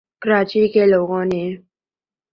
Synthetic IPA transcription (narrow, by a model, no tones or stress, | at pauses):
kəɾaːt͡ʃikeloːɡõne